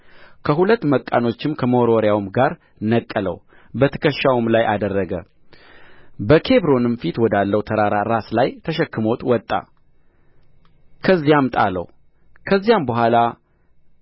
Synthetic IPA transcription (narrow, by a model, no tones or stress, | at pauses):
kʰəɦulət̪ːməkʼːa̰no̞t͡ʃːɪmkʰəmoɾoɾjawmɡaɾ | nəkʼːələ̰w | bət̪ʰə̥kʰəʃːawumlajʔad̪ərːəɡə̰ | bəkʰe̞bɾo̞nɨmfit̪wɔd̪alːəwt̪ʰəɾaɾaɾaslajt̪ʰəʃɛkːɨmo̞t̪wɔt̪ʼːa̰ | kʰəzːijamt̪ʼa̰lə̰w | kʰəzːijambəɦʷala